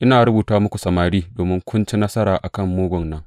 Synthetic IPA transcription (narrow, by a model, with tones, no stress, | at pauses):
ʔɪ˦naː˨ɾʊ˦buː˨taː˦mʊ˦kʷu˨sɐ˨maː˨ɾiː˦doː˨mɪ˦ŋkʷʰʊ˦nt͡ʃi˦nɐ˦sɐ˦ɾaː˨ʔa˨kɐ˦˨mːoː˦ɡʷʊ˨nnɐ˦ŋ